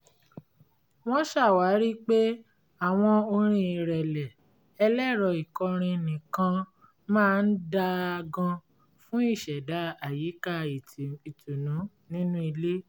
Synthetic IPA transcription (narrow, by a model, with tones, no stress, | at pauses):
w̃ɔ̃˦ʃa˦˨wa˨˦ɾi˦k͡pe˦ | a˦˨w̃ɔ̃˧o˧ɾ̃ĩ˧˦i˨ɾɛ˨lɛ˨ | ɛ˧lɛ˦˨ɾɔ˨i˨kɔ˧ɾ̃ĩ˧nĩ˨kã˧ | mãː˦˧n̩˦da˧ɡã˧ | fũ˦i˦˨ʃɛ˨da˨˦a˨ji˨˦ka˦˨i˨i˨tu˨nũ˨˦ | nĩ˦nũ˦i˧le˦